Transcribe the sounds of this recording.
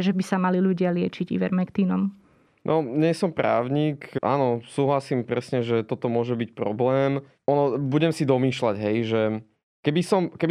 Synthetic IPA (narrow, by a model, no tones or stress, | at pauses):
ʒɛbisamaliluɟɪalɪɛt͡ʃiɟḭʋɛ̰ɾmɛkt̪iːnɔm | nʔɔɲɛsɔmpɾa̰ːʊɲiːkʔa̰ːnɔsuːɦlasiːmpɾɛsɲɛʒɛt̪ɔt̪ɔmʊɔʒɛbic̚pɾɔblɛːm | ɔnɔbuɟɛmsid̪ɔmiːʃlaɟɦɛjʒɛ | kɛbisɔmkɛb